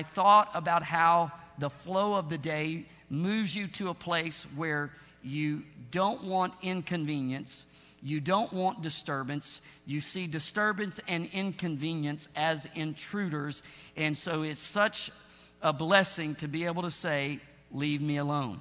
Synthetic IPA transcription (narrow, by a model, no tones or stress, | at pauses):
aɪθɔɾəbaʊt̚haʊðəfloʊʌvðɨdeɪ | mʉvzjɨɾɨəpʰl̥eɪswə˞ | jɨdõʊ̃nʔwɑ̃nɪ̃nkʰɨ̃ɱvĩnjɨ̃ns | jɨdõʊ̃nʔwɑ̃nd̥ɨstɜ˞bɨ̃ns | jɨsidɨstɜ˞bɨ̃nsɨ̃nɪ̃nkʰɨ̃ɱvĩnjɨ̃nsɨzɪ̃ntʰɹ̥ʉɾə˞zɨ̃nsoʊɪtsʌt͡ʃ | əblɛsɪ̃ŋtʰɨbieɪbl̩ˠtʰɨseɪ | livmiəlõʊ̃n